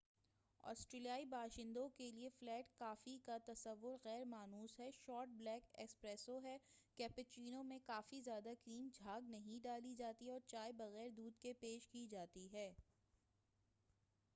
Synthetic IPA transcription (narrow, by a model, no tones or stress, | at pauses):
ɔ̰ːsʈɾeːlijaːibaːʃɪ̃nd̪õkelieflɛːʈkaːfikat̪ɐsəʋːʊɾɣɛːɾmaːnuːsɦɛʃɔːɾʈ̚blɛːkɛ̰kspɾɛːsoɦɛkɛːpɪt͡ʃiːnõmẽkaːfizjaːd̪akɾiːmd͡ʒʱaːɡnɐɦĩɖaːlid͡ʒaːt̪iɦɛɔːɾt͡ʃaːebɐɣɛːɾd̪uːd̪kepeːʃkid͡ʒaːt̪iɦɛː